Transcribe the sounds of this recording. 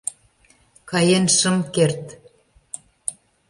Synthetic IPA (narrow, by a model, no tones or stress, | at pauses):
kɑjenʃəmkert̪